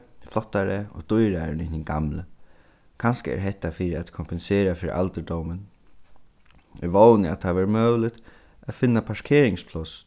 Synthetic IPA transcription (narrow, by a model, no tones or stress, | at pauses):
flɔt̪ːaɹəɔ̰t̪ʊjɾaɾɪnɪɲɪnɡa̰mlə | kʰanskəɛ̰ɾɦɛht̪ːafiɾɪat̪kʰɔmpɛnseːɾafɪːɾɪ̰ʔa̰lt̪əɖ̪ɔwmən | ɛ̰ɹʋownəa̰t̪ʰaʋɛɹmœːwlɪt̪ | afɪnːapʰaʂkʰeːɾɪŋspʰlɔs